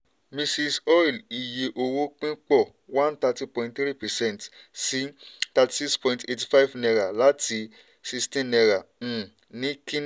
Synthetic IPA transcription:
mĩ˧si˧sɔ˦i˨li˨je˨ʔo˧wo˦k͡pĩ˦k͡pɔ˦˨ | wã˦nta˧ti˧pɔ̃˧ĩntθɾi˦pɛ˨sɛ̃˦˨ntsi˦ta˧ti̥˨si˦kspɔ̃˧ĩnte˧ti̥˧fa˦jvnɛ˧ɾa˨la˨˦tʰi˧˦ | si˧stĩ˦nɛ˧ɾã˨ | nĩ˨˦kĩ˦n

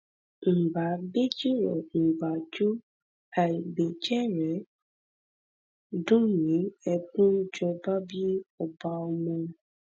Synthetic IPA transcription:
m̩˨ba˨be˦d͡ʒi˦ɾɔ̰˨m̩˨ba˨d͡ʒo˦ | a˨be˨d͡ʒɛ˦ɾɛ˨˦ | dʊ˦ɲĩ˨˦ɛ˨kũ˦d͡ʒɔ˨ba˦bi˦ɔ˨ba˦ɔ˦mo˦

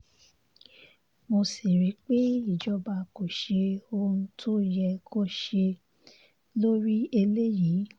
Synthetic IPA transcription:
mo˧si˨ɾi˨˦k͡pe˦i˦˨d͡ʒɔ˦ba˧ko˨ʃe˧o˧ɾũ˧tʰo˦jɛ˧kʰo˦ʃe˧ | lo˦ɾi˦e˧le˦jiː˨˦

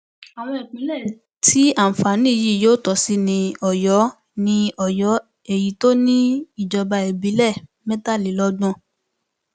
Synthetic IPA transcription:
a˨w̃ɔ̃˧e˨k͡pĩ˨˦lɛ˦˨ | ti˦a˦˨fa˨˦nĩ˦˨ji˦˨joː˦tɔ˨si˦nĩ˧ɔ˨jɔ˨˦ | nĩ˧ɔ˨jɔ˨˦ | e˦˨ji˨˦to˦nĩ˦i˨d͡ʒɔ˧ba˧e˨bi˨˦lɛ˦˨ | mɛ̃˦ta˦˨li˨˦lɔ˦ɡ͡bɔ̃˦

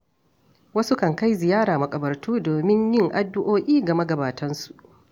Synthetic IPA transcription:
wɐ˦su˦kɐ˨ŋka˦jzɪ˨jaː˦ɽaː˨mɐ˨kʼɐ˨bɐ˨rtuː˦doː˨mɪ˦ɲjɪ˦˨ŋʔa˨dːʊ˦ʔoː˦ʔʲiː˦ɡɐ˨mɐ˦ɡɐ˨baː˨tʰɐ˦nsu̥˨ʔ

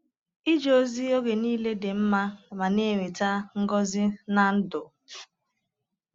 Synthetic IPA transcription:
i˦d͡ʒo˦zi˦o˦ɡe˨niː˦le˦de˨m̩˦ma˦˨ma˨ne˦˨we˨ta˦ŋ̩˦ɡɔ˦zɪ˦na˨n̩˦dʊ˨

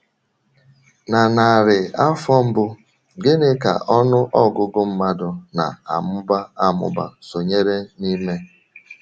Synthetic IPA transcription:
na˨na˨ɾɪ˨a˦fɔ˦m̩˦bʊ˦ | ɡɪ˦ne˦ka̰˨ʔɔ˦nʊ˦ʔɔ˦ɡʊ˦ɡʊ˦m̩˦ma˦dʊ˨na̰˨a̰˨mʊ˦ba˦a˦mʊ̰˦ba̰˨so˨ɲe˦ɾe˦ni˦me˦

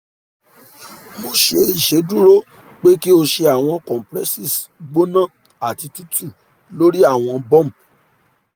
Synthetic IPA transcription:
mo˧ʃe˧i˨ʃe˨˦du˦ɾo˦ | k͡pe˦ki˦o˧ʃe˧a˨w̃ɔ̃˧kɔ̃˨pɾɛ˦si˦˨sɡ͡bo˦nã˦˨ | a˨ti˧ti˦tʰu˦˨ | lo˦ɾi˦a˦˨w̃ɔ̃˧bɔ̃˦˨m̩˨

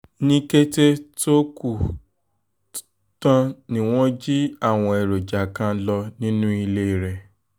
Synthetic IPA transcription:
nĩ˦ke˦te˦to˦ku˨ | tã˧nĩ˨w̃ɔ̃˦d͡ʒi˦a˦˨w̃ɔ̃˧ɛ˨ɾo˨d͡ʒa˨kã˧˦lɔ˧nĩ˦nũ˦i˧le˦i˨ɾɛ˨

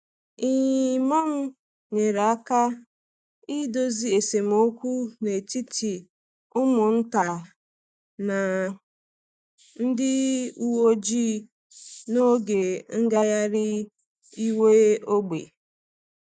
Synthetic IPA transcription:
ɪ˦˨ɲ˨ma˦m̩˦ | ɲe˨ɾa˨a˦ka˦ | i˦do˦zi˨e˨se˨m̩˨o˦kʷu˦ne˨ti˦tʰi˨ | ʊ˦mʊ˨n̩˦ta˨ | na˨ | n̩˦dɪ˦u˦wo˦d͡ʒi˦ | no˦ɡe˨ŋ̩˦ɡa˦ja˦ɾɪ˦ | i˦we˦o˦ɡ͡bḛ˨

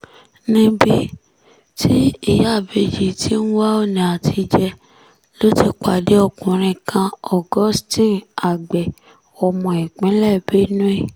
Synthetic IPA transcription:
nĩ˧bi˧ | tʰi˦i˦˨ja˦˨be˧d͡ʒi˨ti˦nũ˦wa˦o˦nĩ˨a˨tʰi˧d͡ʒɛ˧ | lo˦ti˧k͡pa˨de˨˦ɔ˧˨kũ˨ɾ̃ĩ˧kʰã˧ɔ˨ɡɔ˦stĩ˦˨a˨ɡ͡bɛ˨ | ɔ˧mɔ̃˨ɛ˨k͡pɛ̃˨˦lɛ˦˨be˨˦nũ˦e˦˨

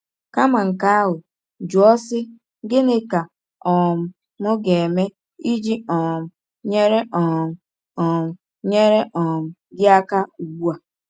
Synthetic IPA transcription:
ka˦ma˨ŋ̩˨ka˦a˦ɦʊ˨ | d͡ʒu˨ɔ˦sɪ˦ | ɡɪ˦nɪ˦ka˨ | ɔ˨m̩˨ | mʊ˦ɡe˨me˦ | i˦d͡ʒi˦ɔ˨m̩˨ | ɲe˦ɾe˦ʔɔ˨m̩˨ | ɔ˨m̩˨ | ɲe˦ɾe˦ʔɔ˨m̩˨ | ɡɪ˦a˦ka˦u˨ɡ͡bu˦a˨

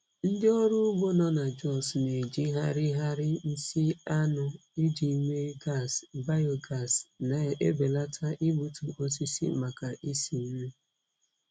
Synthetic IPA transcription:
n̩˦dɪ˦ɔ˦ɾu˦ɡʷo˦nɔ˦na˨d͡ʒɔ˦˨sne˨d͡ʒi˦ɦa˦ɾɪ˦ɦa˦ɾɪ˦n̩˦si˦a˦nʊ˨i˦d͡ʒi˨˦me˦ɡa˦˨sba˦jo˨ɡa˦˨sna˨e˦be˨la˦tʰa˦ʔi˦bu˨tu˨ʔo˦s̬i˦sḭ˦ma˨ka˨ʔi˦si˨m̩˦me˦

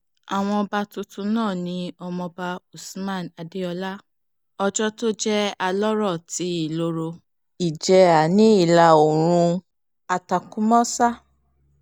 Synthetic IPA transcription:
a˨w̃ɔ̃˧ɔ˧ba˧tu˧tũ˧nãː˦˨nĩ˨˦ɔ˧mɔ̃˧ba˧u˨su˨mã˦˨na˧de˦ɔ˧la˦ | ɔ˧d͡ʒɔ˦to˦d͡ʒɛ˦a˧lɔ˦ɾɔ˦˨ti˨˦i˦˨lo˧˦ɾo˧ | i˨d͡ʒɛ˧a˨nĩ˨˦i˦˨la˨˧o˨ɾ̃ũ˧ | a˨ta˨kũ˦mɔ̃˦sa˦

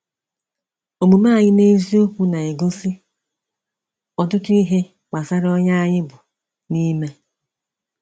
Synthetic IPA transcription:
o˨mu˨ma˦˨ɲɪ˦ne˦zi˦o˦kʷu˦na˨e˨ɡo˦si˦ | ɔ˨tʊ˦tʊ˦i˦ɦe˦ | k͡pa˨sa˦ɾɔ˦ɲa˦a˦ɲɪ˦bʊ˨ | ni˦me˦

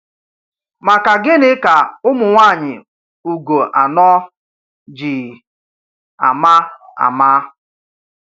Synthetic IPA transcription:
ma˨ka˨ɡɪ˦nɪ˦ka˨ʊ˦mʊ˨ŋʷa˦˨ɲɪ̰˨ | u˨ɡo˨ʔa˨nɔ˦ | d͡ʒi˨ | a̰˨ma˦a̰˨ma˦

